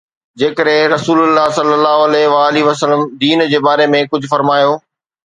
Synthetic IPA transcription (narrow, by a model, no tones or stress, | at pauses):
d͡ʑeːkəɾɦɪ̃ɾɐsuːlʊlːaːsɐlːəlːaːɦoɐleɦʋaːɐliʋəsələmd̪iːnd͡ʑeːbaːɾemẽkʊd͡ʑʱʊfɐɾmaːjoː